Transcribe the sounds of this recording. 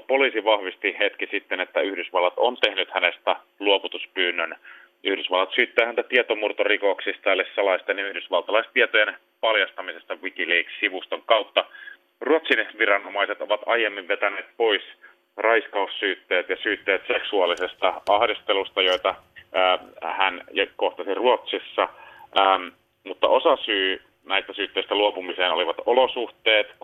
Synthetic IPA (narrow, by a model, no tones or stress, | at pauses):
polisiʋɑhʋist̪ihet̪kisit̪ːenet̪ːæyhdysʋɑlːɑt̪ont̪ehnyt̪hænest̪æ | luoput̪uspyːnːøn | ʔyhdysʋɑlːɑt̪syːt̪ːæːhænt̪æt̪iet̪omurt̪orikoksist̪ælːessɑlɑist̪eneyhdysʋɑlt̪ɑlɑist̪iet̪ojen | pɑljɑst̪ɑmisest̪ɑʋikiliːkssiʋust̪oŋkɑwt̪ːɑ | ruot̪sinʋirɑnomɑiset̪oʋɑt̪ɑjemːiʋʋet̪æneːt̪̚pois | rɑiskɑussyːt̪ːeːt̪jɑsyːt̪ːeːt̪seksuɑlisest̪ɑɑhdist̪elust̪ɑjo̞it̪ɑː | hænjɑkoht̪ɑsiruot̪sisːɑʔːm | mut̪ːɑ̰ʔosɑsyː | næist̪æsyːt̪ːeist̪æluopumiseːnoliʋɑt̪olosuht̪eːt̪